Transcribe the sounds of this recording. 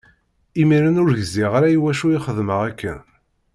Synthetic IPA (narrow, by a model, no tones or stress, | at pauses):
imiɾænʊɾʝəziʁaɾæjwæʃujiχəðməʁækːə̰n